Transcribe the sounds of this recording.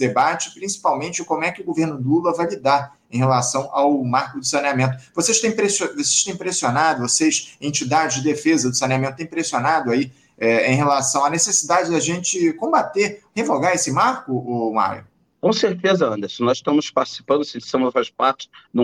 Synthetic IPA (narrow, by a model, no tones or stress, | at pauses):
d̪ebat͡ʃɪ̥pɾĩsi̥pawmẽnt͡ʃɪkõmʊɛkʲɪʊɡoveɾnʊd̪ulɐvajlid̪aɾ | ẽj̃helasɐ̃w̃ʔawmaɾkʊd̪ʊsɐniamẽnt̪ʊvoseʃt̪ẽj̃pɾesovos̬e̥ʃt̪ẽj̃pɾesionad̪ʊvoseʃẽnt͡ʃid̪ad͡ʒɪzd͡ʒɪd̪efezɐd̪ʊsɐnʲiamẽt̪ʊt̪ẽpɾesionad̪ʊai | ɛẽj̃ɦelasɐ̃w̃ɐnesesid̪ad͡ʒɪd̪aʒẽnt͡ʃɪkõbat̪eɾhevoɡaɾesɪmaɾkʊoma̰jʊ̰ | kõseɾt̪ezɐɐ̃nd̪ɐsɪnɔziʃt̪ɐ̃mʊspaɾt͡ʃi̥si̥pɐ̃nd̪ʊsɪsɐ̃mʊzfaspaɾt͡ʃɪ̥d̪ũ